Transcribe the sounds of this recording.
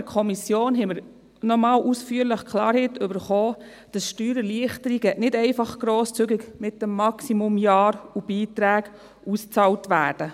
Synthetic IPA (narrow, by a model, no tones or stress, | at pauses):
kʰɔmisjoːnɦɛməɾ | nɔmɑːlʔusfyːəɾləχkʰlɑːɾhɛtʏbəɾχoː | d̥ɑsʃtyːɾəliəχtəɾiɡɛʔnɪdɛɪfɑχɡ̥ɾoːst͡syɡɪɡmɪt̚dɛmːɑksimumjɑːɾub̥iːtɾæːɡ̥ | ust͡sɑːltʋæːɾd̥ə